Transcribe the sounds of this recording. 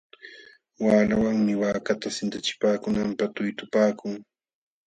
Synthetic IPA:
waːlawaŋmɪwaːkat̪asɪnt̪at͡ʃɪ̥paːkʊnampat̪ʊjt̪ʊpaːkʊŋ

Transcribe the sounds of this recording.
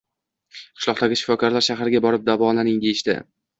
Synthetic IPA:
qʰɨ̥ʃlˠɒqt̪aɡʲɪʃɪ̥fɒkʰɒɾlaɾʃaɦaɾɪɡʲabɒɾɪp̚d̪avɒlanɪŋd̪ejɪʃd̪ɪ̰

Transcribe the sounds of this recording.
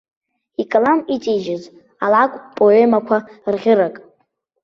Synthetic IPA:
ikʼalamit͡sʼid͡ʒɪz | alakʷʼpʼoemakʷʰarʁʲɪɾakʼ

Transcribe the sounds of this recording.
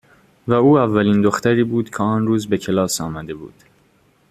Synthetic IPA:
væuːævːæliːnd̪oxt̪æɾiːbuːd̪̥cʰeɒːnɾuːzbecʰe̞lɒːsɒːmæd̪e̞bṵːd̪̥

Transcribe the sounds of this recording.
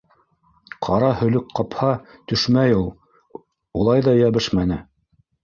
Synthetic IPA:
qʰɑɾɑhɵ̆lɵkqɑphɑt̪ɵ̆ʃmæjulˠ | ulˠɑjðɑjæβɘʃmænɘ

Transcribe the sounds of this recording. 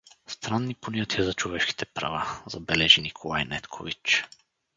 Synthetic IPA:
st̪ɾanːiponʲat̪ijəzɐt͡ʃovɛʃki̥t̪ʰɛpɾɐ̰vazɐbɛlɛʒinikʰolˠajnɛt̪kʰovit͡ʃ

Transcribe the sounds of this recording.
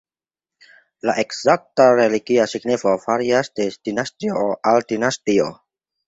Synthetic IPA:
laʔe̞kz̥ak̚taɾeliɡiasiɡnifofaɾiasde̞d̥inastioʔaldinastio̰

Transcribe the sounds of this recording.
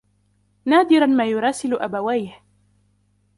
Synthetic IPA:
naːd̪ɪɾˤɑnmaːjʊɾˤɑːsɪlʔabawajh

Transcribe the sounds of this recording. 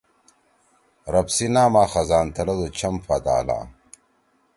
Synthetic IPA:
ɾɐpsinaːmaːxɐzaːnt̪ɐlɐd̪ot͡ɕʰɐmfat̪a̰ːla̰ː

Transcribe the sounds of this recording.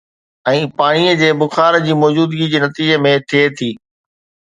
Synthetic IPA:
ɛ̃ːpaːɽ̃iəd͡ʑeːbʊxaːɾd͡ʑiːmɔːd͡ʑuːd̪ɡid͡ʑeːnɐt̪iːd͡ʑəmẽt̪ʰiet̪ʰiː

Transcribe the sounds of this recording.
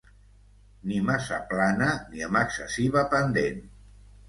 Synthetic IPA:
nimasa̰planəniəməksəsiβəpənd̪en

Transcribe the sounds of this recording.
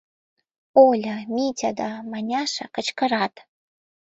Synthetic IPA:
olʲamitʲʰad̪amanʲaʂa̰kət͡ʃkʰəratʼ

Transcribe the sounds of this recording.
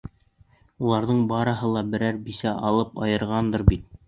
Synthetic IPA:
ulˠɑɾðɤɴbɑɾɤ̆ɦɤlˠɑbɘ̆ɾæɾbisæʔɑlˠɤpɑjɤ̆ɾʁɑnd̪ɤɾbit̪

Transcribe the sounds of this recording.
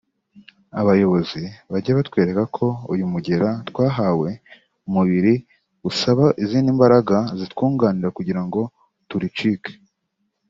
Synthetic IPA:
aβajo̞βo̞ziβaɟaβatkwe̞ːɾe̞kakʰo̞ujumuɟe̞ɾatwaːɦawe̞ | umuβiɾi | usaβaʔiziːndimbaɾaɡazitkuːŋɡaːniɾakuɟiɾaŋɡo̞ | tuɾit͡ʃike̥

